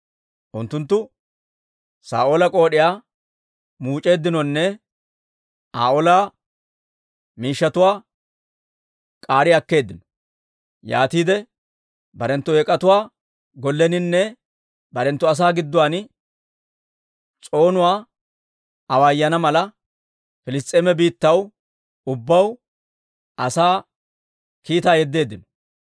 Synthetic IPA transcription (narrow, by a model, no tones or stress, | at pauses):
ʔʊnt̪ːʊnt̪ːʊ | sa̰ːʔoːlɐkʼo̞ːɗɪjaː | muːt͡ʃʼe̞ːd̪ːɪnɔnːɛ | aːʔɔlaː | miːʃːɐt̪ʊwaː | kʼaːɾɪɐkːe̞ːd̪ːɪnɔ̥ | ja̰ːt̪iːd̪ɛ | bɐɾɛnt̪ːʊɛkʼːɐt̪ʊwaː | ɡɔlːɛnɪnːɛ | bɐɾɛnt̪ːʊɐs̬aːɡɪd̪ːʊwaːn | t͡sʼo̞ːnʊwaː | ɐwajːɐnɐmɐlɐ | fɪlɪs̬t̪ʼːeːmɛbiːt̪ːɐw | ʊbːɐw | ɐsaː | kiːt̪aːjɛd̪ːe̞ːd̪ːɪnɔ̥